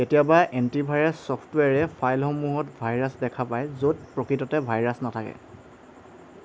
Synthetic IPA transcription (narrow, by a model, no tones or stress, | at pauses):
tetijabaʔentibʱajɹasːɔpʰtwɛɹɛpʰajlxɔmuɦɔtbʱajɹasdɛkʰapajzot̚pɹokɹitɔtɛbʱajɹasnatʰakɛ̰